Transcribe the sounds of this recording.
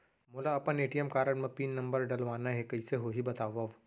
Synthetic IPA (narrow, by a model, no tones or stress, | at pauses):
moːlaɐpəneːʈijəmkaːɾəɽmẽpiːnːɐ̃mbəɾɖɐlʋaːnaɦɛkɐiseɦoːɦibɐt̪aːʋaʋ